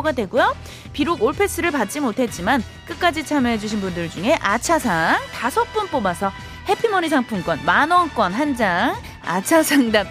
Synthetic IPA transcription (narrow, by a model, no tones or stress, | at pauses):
ɡadwe̞ɡujo | piɾoɡoɭpʰe̞s͈ɯɾɯɭpat̚t͡ɕ͈imotʰe̞t̚t͡ɕ͈iman | k͈ɯk͈ad͡ʑit͡ɕʰamjʌɦe̞d͡ʑuɕ̬ʰinbundɯɭd͡ʑuŋe̞ʔat͡ɕʰasʰaŋtasʰʌp͈unp͈obasʰʌ | he̞pʰimʌnisʰaŋpʰuŋk͈ʌnmanʌŋk͈wʌnɦand͡ʑaŋ | a̰t͡ɕʰasʰaŋdap̚